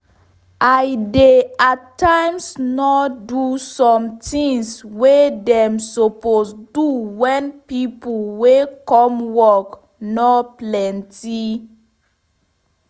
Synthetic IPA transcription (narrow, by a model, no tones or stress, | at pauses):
ajdeatːãɪmsnɔdusɔ̃mtʰĩŋswedɛ̃msoposduwɛ̃npipolwekɔ̃mwɔk | nɔplɛ̃nti